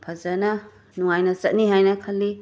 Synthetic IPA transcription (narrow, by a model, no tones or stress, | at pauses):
pʰɐzɐnɐ | nuŋajnɐsɐt̚niɦajnɐkʰɐlːi